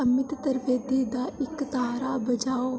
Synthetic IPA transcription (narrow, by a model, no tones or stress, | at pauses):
əmɪt̪t̪əɾʋeːd̪iːd̪aːɪkt̪aːɾaːbɐd͡ʒaːoː